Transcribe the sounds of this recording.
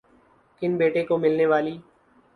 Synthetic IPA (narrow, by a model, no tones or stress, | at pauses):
kɪnbeːʈeːkoːmɪlneːʋaːliː